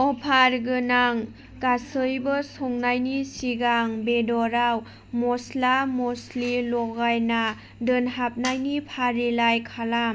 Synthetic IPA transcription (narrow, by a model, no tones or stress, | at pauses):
ɔpʰaɾɡɯnaŋ | kasɯjbɔsɔŋnajnisiɡaŋbedɔɾaw | mɔslamɔslilɔɡajna | dɯnɦap̚najnipʰaɾilajkʰalam